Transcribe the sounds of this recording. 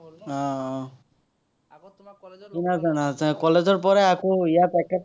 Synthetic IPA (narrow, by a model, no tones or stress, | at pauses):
ɔ̃ | inazanakɔled͡ʒɔɾp̬ɔɾeakoijat̪ɛkːa